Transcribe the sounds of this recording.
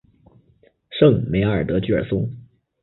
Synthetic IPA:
ʂɤ˥˩ŋme˧˥ɪə˞˨˩t̪ɤ˧˥t͡ɕy˥˩ə̰˞˨˩sʊ˥ŋ

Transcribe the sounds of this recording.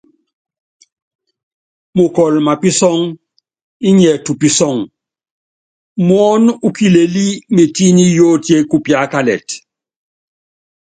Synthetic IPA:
mu˨kɔ˨lma˨pi˦sɔ˦ŋ | i˦ɲɛ˨tu˨pi˨sɔ˦˨ŋ | mwɔ˦nu˦ki˦le˨li˦me˨ti˦ni˦joː˦tje˦ku˦pja˦ka˦lɛ̰˨t

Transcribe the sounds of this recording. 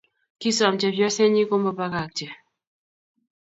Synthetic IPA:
ki˦sa˨m̩t͡ʃɛ˨vjɔ˦sɛ˦ɲi˦ko˦mbɔ˦pa˦ka˨k̚t͡ʃɛ˨

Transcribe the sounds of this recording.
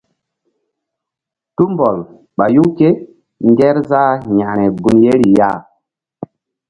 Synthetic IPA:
tu˦mbɔ˨l | ɓa˨ju˦ke˦ | ŋɡɛ˦ɾza˦ɲa˨ɾ̃ɛ˨ɡu˨nje˦ɾi˨ja˦˨

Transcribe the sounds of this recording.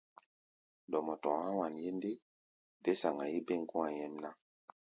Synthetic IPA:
dɔ˨mɔ˨tɔ̰˨hã˦wa˨nje˦nde˦ | de˦sa˨ŋa˨ji˦be˦˨ŋ˨kũ˦a˨jɛ˦mna˦

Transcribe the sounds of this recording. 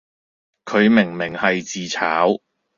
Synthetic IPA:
kʰɵ˨˧ɥmɪ˨˩ŋmɪ˨˩ŋhɐ˨jt͡siː˨t͡sʰaː˨˥w

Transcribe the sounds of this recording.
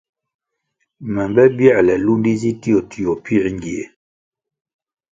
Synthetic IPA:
mɛ˨mbɛ˦bjɛ˦˨lɛ˨lu˦ndi˦zi˦ti˦o˨tʰi˨o˨pi˦˨ŋ˦ɡi˨e˨

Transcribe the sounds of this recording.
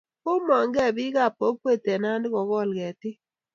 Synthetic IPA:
ʊ˦mɔ˨ŋɡɛ˦˨bɪ˦ɡa˦˨po˦k̚ːwe˦te˨na˦ndɡɔ˨ɡɔ˦˨lɡɛ˨tɪ˦

